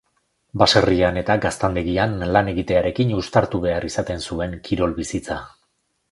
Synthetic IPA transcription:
baseriane̞t̪aɡast̪and̪eɣianlane̞ɣit̪e̞aɾe̞kinust̪aɾt̪uβe̞arisat̪e̞nsue̞ŋkʰiɾo̞lβisit͡sa

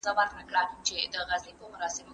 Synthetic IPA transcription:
zawɑt̪nəkɽat͡ʃed̪əɣazlipəmʊɾɑsɪmo

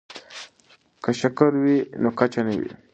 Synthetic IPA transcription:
kaʃəkəɾwinokat͡ʃanəwḭ

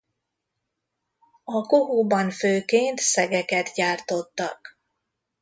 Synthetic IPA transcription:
ɒkoɦuːbɒnføːkeːnt̪sɛɡɛkɛt̪ɟaːrt̪o̞t̪ːɒ̰k

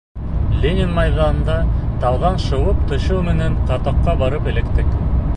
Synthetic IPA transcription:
lʲenʲɪnmɑjðɑnɤ̆nd̪ɑt̪ɑwðɑnʃɤ̆wɤpt̪ʰŏɕɤwmɘ̆næɴqɑt̪ɑqːɑbɑɾɤpɘ̆lɘ̆kt̪ɘk

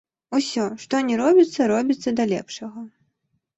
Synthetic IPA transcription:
usʲɔʂt̪ɔnʲɛɾɔbʲit̪sːɐɾɔbʲit̪sːɐd̪ɐlʲɛ̰pʂɐɣɐ

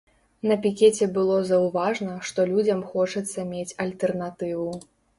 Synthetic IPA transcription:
nɐpʲikʲeɛt͡sʲɛbɨlˠɔzɐwvaʐnɐʂt̪ɔlʲud͡zʲɐmxɔt͡ʂɐt̪sːɐmʲet͡sʲɐlʲt̪ɛrnat̪ɨvu

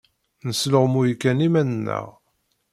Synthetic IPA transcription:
nəsləʁmujkːænimænənːə̰ʁ

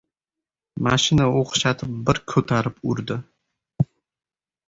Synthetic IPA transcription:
maʃinaoqʊ̥ʃat̪ʰɨp̚bɪɾkʲʰɵt̪ʰaɾɪpuɾd̪ɪ

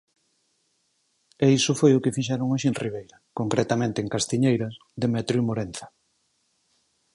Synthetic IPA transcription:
eisʊfojʊkɪfiʃ̬ɛɾoŋoʃinriβ̞ejɾɐkoŋkɾɛt̪amẽnt̪eːŋkast̪iɲejɾɐs | ðemɛt̪ɾumoɾen̟θḁ

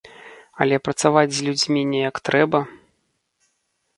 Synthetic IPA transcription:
ɐ̰lʲɛpɾɐt̪savad͡zʲzʲlʲud͡zʲmʲinʲɛjɐkt̪ɾɛbɐ

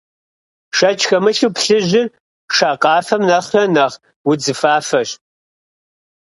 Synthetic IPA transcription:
ʃɐt͡ʃʰʼxɐmɨɬupɬɨʑɪr | ʂaːqʼɑːfɐmnɐχrɐnɐːʁ | wʊd͡zɨfaːfɐɕ

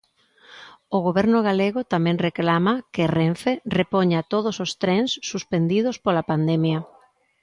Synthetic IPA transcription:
oɣoβɛɾnʊɣ̞aleɣʊt̪amɛ̃ŋreklamɐkereɱferepoɲat̪oð̞osost̪ɾɛnsːuspend̪ið̞ʊspolapand̪ɛmjɐ

